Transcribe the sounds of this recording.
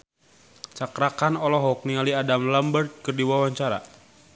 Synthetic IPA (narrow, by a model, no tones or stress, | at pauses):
t͡ʃakɾakanɔlɔɦɔk̚niŋaliadamlambərt̪̚kɨrdiwawaɲt͡ʃaɾa̰